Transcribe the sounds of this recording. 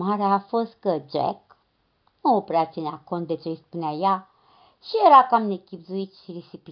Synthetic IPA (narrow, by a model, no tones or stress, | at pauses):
aɾeaːfo̞st̪̚kəd͡ʒḛk | nuopɾeat̪sineako̞nt̪̚d̪et͡ʃejspuneaja | ʃijeɾakamnekʲibzuit̪ʃiɾisipi